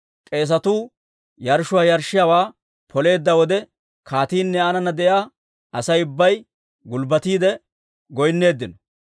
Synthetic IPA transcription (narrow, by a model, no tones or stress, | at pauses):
kʼe̞ːs̬ɐt̪uː | jɐɾʃʊwaːjɐɾʃːɪjawaː | pʰɔle̞ːd̪ːɐwɔd̪ɛ | kʰaːt̪iːnːɛɐnɐnɐd̪ɛʔjaː | ʔɐsɐjʊbːɐj | ɡʊlbɐt̪iːd̪ɛ | ɡɔjnːe̞ːd̪ːɪnɔ